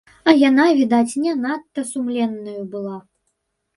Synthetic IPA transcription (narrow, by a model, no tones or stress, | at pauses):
ɐjanavʲid̪at͡sʲnʲɛnat̪ːɐsumlʲɛnːɐjubɨlˠa